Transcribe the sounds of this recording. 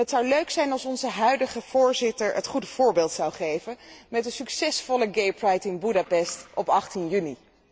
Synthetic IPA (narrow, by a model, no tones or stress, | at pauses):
ətsɑwløɥksɛjnɑlˠsɔnzəɦœɥdəχəv̥ʊːɹzɪtəɹətχudəv̥ʊːɹbeːlˠtsɑwχejvəmɛtdəsyksɛsfɔləɡejpɹɑjtɪnbudɑpɛstɔpɑχtinjyni